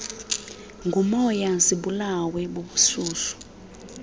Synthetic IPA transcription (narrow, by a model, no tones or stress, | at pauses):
ŋɡʱumɔjasiɓulawɛɓoɓusuːsu̥